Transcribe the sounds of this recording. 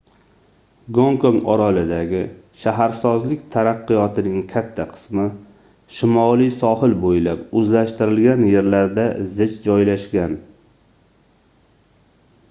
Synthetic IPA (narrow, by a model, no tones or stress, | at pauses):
ɡoŋkoŋɒɾalɪd̪aɡʲɪ | ʃaɦaɾsɒzlɪkʲt̪ʰaɾaqːɨjɒt̪ʰɪnɪŋkʲʰat̪ʰːaqʰɨ̥smɪ | ʃɪmɒlijsɒhɪlbojlapɵzlaʃt̪ɪɾɪlɡʲanje̞ɾlaɾd̪azɪt͡ʃd͡ʒɒjlaʃɡʲan